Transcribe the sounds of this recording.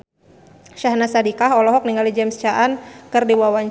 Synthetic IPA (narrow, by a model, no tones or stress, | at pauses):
ʃahnasadikaɦɔlɔɦɔk̚niŋalid͡ʒɛmst͡ʃaʔankɨrdiwawaɲ